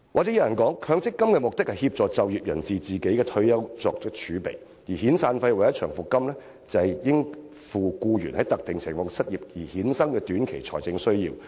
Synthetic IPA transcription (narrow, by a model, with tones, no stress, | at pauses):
waː˨˩t͡sɛː˨˥jɐ˧jɐ˨˩nkɔː˨˥ŋkʰœː˧ŋt͡sɪ˥kːɐ˥mkɛː˧mʊ˨k̚t̪ɪ˥k̚hɐ˨jhiː˧p̚t͡sɔː˨t͡sɐ˨wjiː˨p̚jɐ̰˨˩nt͡siː˨t͡siː˨ke˨˥jkɛː˧t̪ʰɵ˧ɥjɐ˥wt͡sɔ̰ː˧k̚t͡sɪ˥k̚t͡ʃʰyː˨˥pḛ˨˩j | jiː˨˩hiː˨˥nsaː˧nfɐ˧jwjɐ˥t͡ʃʰœː˨˩ŋfʊ˨kːɐ˥mlɛː˥ | t͡sɐ˨˩jɪ˥ŋ | fuː˨kuː˧jyː˨˩nhɐ˨˥jt̪ɐ˨k̚t̪ɪ˨ŋsʰɪ˨˩ŋfɔː˧ŋsɐ˥t̚jiː˨p̚jiː˨˩hiː˨˥nsɐ˥ŋkɛː˧t̪yː˨˥nkʰe˨˩jt͡ʃʰɔ̰ː˨˩jt͡sɪ˧ŋsɵ˥ɥjiː˧w